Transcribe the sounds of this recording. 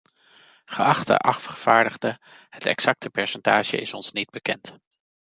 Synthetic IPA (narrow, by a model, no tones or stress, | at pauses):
χəɑχtə̰ʔɑffχəv̥aːɹdəχdə | hətɛ̰ksɑk̚tʰəpɛɹsɛntaːʒə̰ɪsɔnsnid̚bəkɛnt